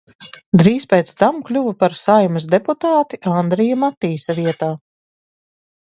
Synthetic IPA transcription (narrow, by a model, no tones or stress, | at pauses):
d̪ɾiːspʲɛːt̪st̪amklʲuvapaɾsajmɐs̬d̪eput̪aːt̪iʔand̪ɾɛjamat̪ːiːsaviɛt̪aː